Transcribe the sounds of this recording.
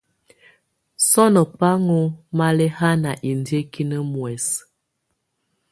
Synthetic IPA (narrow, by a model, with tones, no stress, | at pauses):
sɔ˦nə˨pa˦ŋo˦ma˦lɛ˦ha˦na˨ʔi˨ndje˦ki˦nə˦mwɛ˨s